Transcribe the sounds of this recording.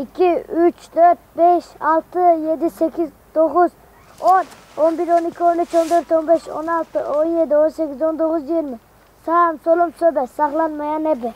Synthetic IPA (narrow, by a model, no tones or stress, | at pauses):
ikʲʰiyt͡ʃt̪ʰøɾt̪̚beʃɑlˠt̪ɨjed̪ɪsɛkʲʰiz | t̪oqʊz | on | onbiɾonikʲʰionyt͡ʃond̪øɾt̪onbeʃo̰nɑlˠt̪ɨonjed̪ɪonsɛkʲːizond̪oqʊzjiiɾmɪ | sɑmsolˠomsobɛsɑχlˠɑnmɑjɑnɛbɪ